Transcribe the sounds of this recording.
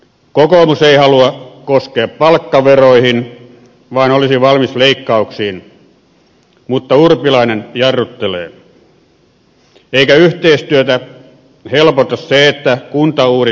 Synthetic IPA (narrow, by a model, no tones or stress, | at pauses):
kokoˑmuseihɑluɑkoskeɑppɑlkːɑʋeroihin | ʋɑːnolisiʋɑlmisleikːɑuksiːn | mut̪ːɑurpilɑinenjɑrːut̪ːelḛː | eikæyht̪eist̪yøt̪æ | helpot̪ɑsseet̪ːækunt̪ɑuːri